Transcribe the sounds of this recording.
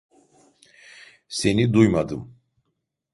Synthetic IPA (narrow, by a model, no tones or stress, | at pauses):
se̞nid̪ujmad̪ɯm